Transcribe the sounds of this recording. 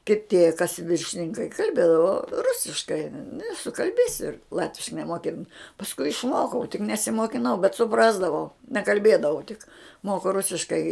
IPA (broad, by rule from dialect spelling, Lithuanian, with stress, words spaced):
kʲɪˈtʲeː kɐs ʋʲɪrʲʃʲɪnʲɪŋˈkɐɪ kɐlʲˈbʲeːdɐʋoː ˈrʊsʲɪʃkɐɪ nʊ ɪ sʊkɐlʲˈbʲeːsʲɪ ˈlˠɑːtʲʋʲɪʃkɐɪ nʲɛmoːˈkʲɪn pɐsˈkʊɪ ɪʃˈmoːkɐʊ tʲɪk nʲɛsʲɪmoːkʲɪˈnɐʊ bʲɛt sʊˈprɑːzdɐʋɐʊ nʲɛkɐlʲˈbʲeːdɐʋɐʊ tʲɪk ˈmoːkʊ ˈrʊsʲɪʃkɐɪ